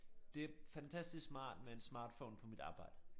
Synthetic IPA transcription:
d̥e̝æfænt͡sʰæsd̥isɡ̥smɑ̰̈ːd̥mee̝nsmɑ̈ːd̥fɔ̰ʊ̰npʰɒ̽mid̥ɑ̈ːb̥ɑ̈ɪ̰d̥ə

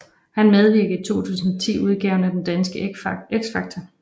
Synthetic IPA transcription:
hænmeð̞ˠʋiɐ̰ɡ̥əð̩ˠt͡sʰo̝̰ːt͡sʰṵːsn̩ɒt͡sʰḭːuð̞ˠɡ̥ɛʊnæd̥end̥ænsɡ̥əeɡ̥sfɑ̈ɡ̥̚t͡sʰɒ

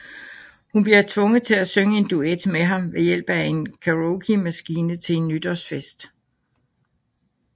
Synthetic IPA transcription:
hunb̥liɐt͡sʰʋɔ̽ŋð̩ˠt͡sʰe̝læsøŋəe̝nd̥ued̥meɦɑ̈mʋe̝jel̰b̥æe̝nkʰæʁoʊkʰimæsɡ̥iːnət͡sʰe̝enːyd̥ɐsfesd̥

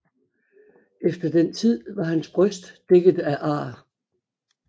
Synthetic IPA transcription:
efd̥ɐd̥ent͡sʰið̞̰ˠʋɑ̈hænsb̥ʁœsd̥ːeɡ̥ð̞̩ˠæʔɑ̈ː

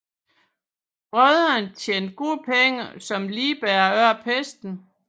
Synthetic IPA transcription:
b̥ʁœðˠɐnt͡sʰjḛːnd̥ɡ̥o̝ðˠpʰeŋəsɒ̽mliːb̥æːɐɶɐ̰pʰesd̥n̩

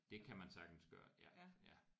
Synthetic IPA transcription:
d̥e̝kʰæmænsɑ̈ɡ̥n̩sɡ̥ɶ̰ːɐjæjæ

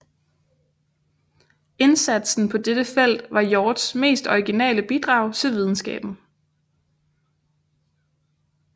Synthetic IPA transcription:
e̝nsæd̥sn̩pʰɒ̽d̥ed̥əfel̰d̥ʋɑ̈jɒːd̥sme̝̰ːsd̥ɒiɡ̥inɛ̰ːləb̥id̥ʁɑ̈ʊ̰t͡sʰe̝lʋið̞ˠn̩sɡ̥ɛ̰ːb̥n̩

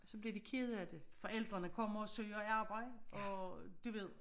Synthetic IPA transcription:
sɒ̽b̥liɐdikʰeð̞̩ˠæd̥e̝fɒ̽ʔel̰d̥ʁɐnəkʰɒ̽m̰ɐːsøːɐiɑ̈ːb̥ɑ̈ɪdəʔɒ̽d̥uʋe̝ð̞̰ˠ

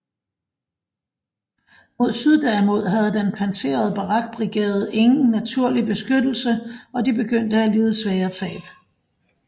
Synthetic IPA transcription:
mo̝ðˠsyð̞ˠd̥ɛmo̝ð̞̰ˠɦæð̞̩ˠd̥enpʰænt͡sʰe̝̰ːɐð̞̩ˠəb̥ɑʁɑ̈ɡ̥̚b̥ʁiɡ̥ḛːɐð̩ˠe̝ŋn̩næt͡sʰuɐ̰lib̥e̝sɡ̥ød̥l̩səɒ̽d̥ib̥e̝ɡ̥øn̰d̥əæliːð̞̩ˠsʋɛːɐt͡sʰɛ̰ːb̥

